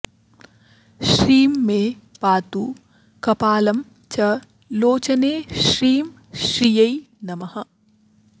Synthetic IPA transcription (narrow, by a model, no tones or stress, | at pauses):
ʃɾiːmːẽːpaːt̪uː | kɐpaːlɐm | t͡ʃɐ | loːt͡ʃɐneːʃɾiːm | ʃɾijɐi | nɐmɐhɐ